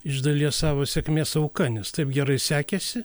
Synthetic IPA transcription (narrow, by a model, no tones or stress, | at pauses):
ɪʒd̪ɐlʲiɛsɑːʋoːsʲɛkmʲeːsɐʊkɐnʲɛst̪ɐɪpɡʲɛɾɐɪsʲæːkʲɛsʲɪ